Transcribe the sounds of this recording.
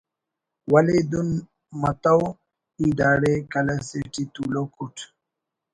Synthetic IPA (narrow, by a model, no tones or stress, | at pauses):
wɐled̪un | mɐt̪aw | id̪aːɽekɐlɐseʈit̪ulokuʈʰ